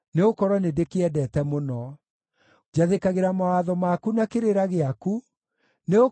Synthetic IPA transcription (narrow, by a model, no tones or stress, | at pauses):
neokɔɾɔnedekeɛdɛtɛmonɔ | d͡ʒaðekaɣeɾamawaðɔmakunakeɾeɾaɣeaku | neo